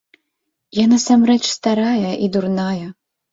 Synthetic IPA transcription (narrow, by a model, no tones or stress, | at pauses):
janasamɾɛt͡ʂst̪aɾajɐʔid̪urnajɐ